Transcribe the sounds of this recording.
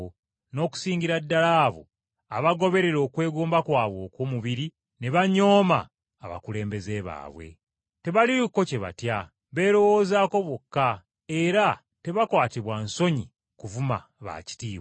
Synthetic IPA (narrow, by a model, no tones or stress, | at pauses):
no̞ːku̥siːɲɟiɾadːalaːβo̰ | aβaɡo̞βe̞ɾe̞ɾo̞ːkwe̞ːɡoːmbakwaːβwo̞ːkwoːmuβiɾi | ne̞βaɲo̞ːma̰ː | βa̰kule̞ːmbe̞ze̞βa̰ːβwe̞̰ | te̞βaliukːo̞ce̞βa̰tja | βe̞ːɾo̞wo̞ːzaːko̞βwokːa | e̞ɾa | te̞βakwaːtiβwanso̞ɲi | kuvuma̰ | βa̰ːci̥tiːw